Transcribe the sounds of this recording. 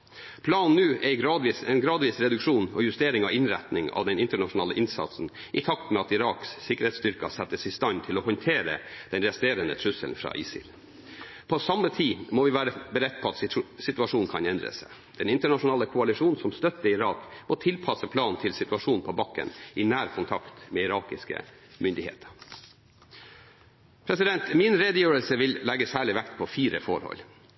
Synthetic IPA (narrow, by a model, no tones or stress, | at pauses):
pʰlɑːnnnʉːʔɛɡɾɑːd̪ʋiːsɛnɡɾɑːd̪ʋiːsɾɛd̪ʉkʂuːnɔjʉst̪eːɾɪŋɑʋɪnɾæ̰t̪nɪŋɑ̰ʋd̪ɛnɪnt̪əɳɑʂʊnɑːləʔɪnsɑ̰t̪sn̩ | ʔɪt̪ʰɑkt̪mɛɑt̪ɪɾɑːkssɪkəɾhɛt̪st̪ʏɾkɑ̰sɛt̪ːəsɪst̪ɑnt̪ʰɪlɔɦɔnt̪ʰeːɾə̰d̪̥ɛnɾɛst̪eːɾənət̪ʰɾʉsəlnfɾɑ̰ːʔɪsɪ̰l | pʰɔsɑmːət̪ʰiːmɔʋɪʋæːɾəbəɾɛt̪̚ːpʰɔɑt̪sɪt̪ʉɑʂuːnn̩kʰɑnɛnd̪ɾə̰sæ̰ | d̪̥ɛnɪnt̪əɳɑʂʊnɑːləkʰʊɑlɪʂuːn̩sɔmst̪œt̪ːəɪɾɑːkmɔt̪ʰɪlpʰɑsəpʰlɑːnn̩t̪ʰɪlsɪt̪ʉɑʂuːnn̩pʰɔbɑkːə̰nʔɪnæːɾkʰʊnt̪ʰɑkt̪meːɪɾɑːkɪskə̰mʏnd̪ɪhḛːt̪ʰə̥ | pʰɾɛsɪd̪ɛnt̪mɪnɾeːd̪əjøːɹəlsəʋɪllɛɡəsæːɭɪʋækt̪pʰɔfiːɾəfɔɾhɔ̰l